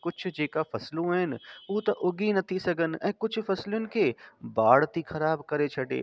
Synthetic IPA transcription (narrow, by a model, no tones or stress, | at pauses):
kʊt͡ʃʰd͡ʒeːkafʰɐslõɦɛːnoːt̪ɐʔʊɡinɐt̪ʰisɐɡənɛːkʊt͡ʃʰfɐslonɪ̆kebaːɽt̪ixɐɾaːbkɐɾet͡ʃʰɐʈḛː